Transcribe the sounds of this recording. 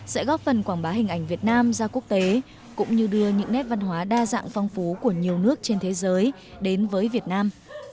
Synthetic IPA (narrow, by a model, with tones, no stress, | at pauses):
sɛ̰˧˥ɣɔ˦˥p̚fə˨˩nkwaː˧˩ŋɓaː˨˦hï˨˩ŋ̟ʔa˧˩jŋ̟vi˨˩ət̚naː˧mzaː˧ku˦˥ək̚t̪e˨˦ | kʊ̰˧˥ŋ͡mɲɨ˧ɗɨ˧əɲɨ̰˧˥ŋnɛ˦˥p̚va˧nɦwaː˨˦ɗaː˧za̰ː˧˨ŋfɔ˧wŋ͡mfu˨˦ku˧˩əɲi˨˩əwnɨ˦˥ək̚t͡ɕe˧nt̪ʰe˨˦zəː˨˦j | ɗe˨˦nvəː˨˦jvi˨˩ət̚naː˧m